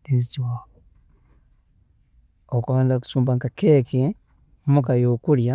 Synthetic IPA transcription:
ezitiwa | okuβaːndaku̥suːmbaŋkakeke | omukajoːkulja

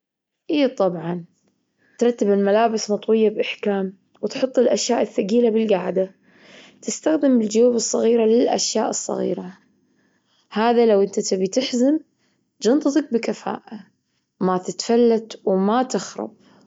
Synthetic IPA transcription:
ʔiːt̪ˤɑbʕɑn | t̪ɾˤɑt̪ːɪbɪlmalaːbɪsnɑt̪ˤwɪjːabʔɪħkaːm | wt̪ħʊt̪ˤːɪlʔaʃjaːʔɪθːaɡiːlabɪlɡaʕd̪a | t̪ɪst̪axd̪ɪmɪld͡ʒjuːbɨsˤːɑɣiːɾalɪlʔa̰ʃjaːʔɨsˤːɑ̰ɣḭːɾa | haːðalawʔɪnt̪at̪abit̪ɪħzɪm | d͡ʒɑnt̪ˤɨt̪ˤɑk̚bɪkafa̰ːʔa | mat̪ɪt̪falːat̪wmat̪ɪxɾˤɑ̰b̥̚

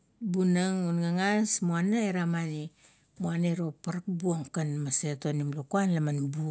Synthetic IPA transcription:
bunaŋunɡaŋasmuanaeɾamani | muanaeɾo̞paɾkbuoŋkanmasetonimlokuanlamanbu

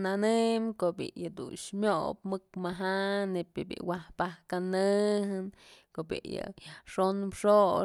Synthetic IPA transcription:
nanɨmkoʔbḭjad̪ṵnʂmʲopmɨkmaɦanepʲebʲḭʔwahpahkanɨɦɨnkoʔbʲḛjɨ̰ʂonpʂo

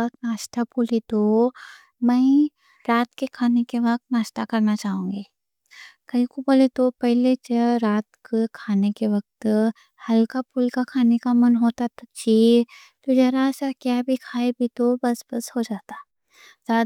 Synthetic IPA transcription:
ɐknaːʃt̪apulit̪o | mɛ̃ɪ | ɾaːt̪kekʰaːnekeʋɐk̚t̪naːʃt̪akɐɾnat͡ʃaːɦũːŋɡeː | kɐikupolet̪opɛɦlet͡ʃɐɾaːt̪kekʰaːnekeʋɐk̚t̪ | hɐlkapulkakʰaːnekamɐnɦoːt̪at̪ot͡ʃi | t̪od͡ʒɐɾasakjaːbʱikʰaːebʱit̪obɐsbɐshod͡ʒaːt̪aː | zaː

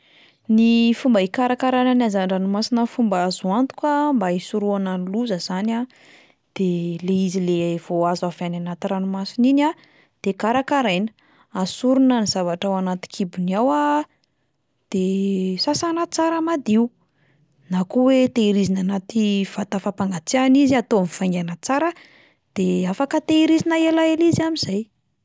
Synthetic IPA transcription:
nifumbaikaɾakaɾananazaɳɖ͡ʐanumasinəfumbazuant̪u̥kambaisuɾuananiluzəz̥ana | d̪̥eleizilev̥oazavananat̪iranumasinina | d̪̥ekaɾakaɾejnə̥ | asuɾunəniz̥avaʈ͡ʂawanat̪i̥kʰibuniawa | d̪̥esasanat͡saɾamad̪iu | nakuwet̪eiɾizinanat̪iv̥at̪afapaŋɡat͡sianiziat̪oamifaŋɡanat͡saɾə | d̪̥eafakət̪eiɾizinəelaeliziamizaj

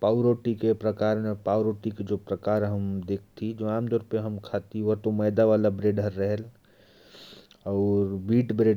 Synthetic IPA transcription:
pauɾoʈikepɾəkaɾmepauɾoʈiked͡ʒopɾəkaɾɦəmd̪ekʰt̪ʰid͡ʒoaːmd̪ɔɾpeɦəmkʰat̪ioɾt̪oməɪd̪aʋalabɾeɖəɾːəɦɛl | ɔːɾbiːʈbɾe

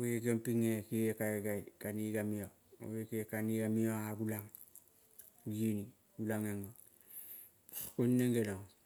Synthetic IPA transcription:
weɡempiŋekiekaɡaitkaniɡamio | o̰wekiekaniɡamioaɡulaŋ | ɡini | ɡulaŋeŋo | kunːeŋɡeloŋ

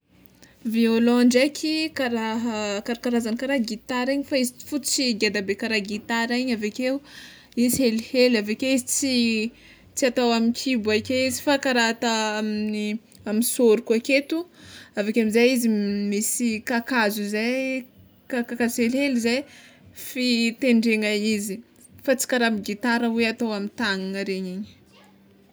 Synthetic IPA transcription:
violɔɳɖ͡ʐekʲʰikaɾaɦəkaɾakaɾazanikaɾaɡit̪aɾiɲifaizii̥fut͡siɡad̪abekaɾaɡit̪aɾiɲaveke | izhelihelavekewizit͡si | t͡siat̪awaminkʰibuakʲeizi̥fakaɾat̪aamini | amisoɾukuaket̪uavekʲemizajizimisikakazuzaj | kakakazelɦhelizajfit̪eɳɖ͡ʐeŋaizi | fat͡si̥kaɾamiɡit̪aɾəweat̪awamint̪aŋaŋəɾeɲiɲi̥

